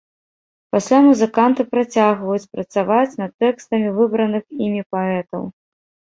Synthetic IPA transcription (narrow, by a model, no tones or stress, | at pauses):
pasʲlʲamuzɨkant̪ɨpɾat͡sʲaɣvɐjut͡sʲpɾɐt̪savat͡sʲnɐt̪ːɛkst̪ɐmʲivɨbɾɐnɨximʲipaɛt̪ɐ̰w